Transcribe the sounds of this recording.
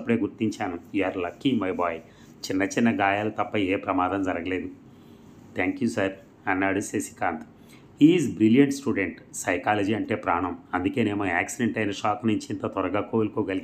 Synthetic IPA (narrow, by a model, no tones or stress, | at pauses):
ɐpːuɽeːɡuɾt̪iɲt͡ʃaːnujuːaːɾlɐkːimɐjbaːj | t͡ʃɪnːɐt͡ʃɪnːɐɡaːjaːlɐt̪ɐpːɐeːpɾɐmaːd̪ɐmd͡ʒɐɾɐɡɐle̞ːd̪u | t̪ʰɛːŋkjuːsɐɾ | ɐnːaːɽusesi̥kaːnt̪ | hiːzbɾiljɐɳʈsʈuːɖeɳʈsɐjkaːlɐd͡ʒiːɐɳʈe̞ːpɾaːɳɐmɐnd̪uke̞ːneːmoaːksiɖeɳʈɐjnɐʂaːknuɲt͡ʃiːnt̪ɐt̪ɔɾɐɡaːkoːlukoːɡɐliɡ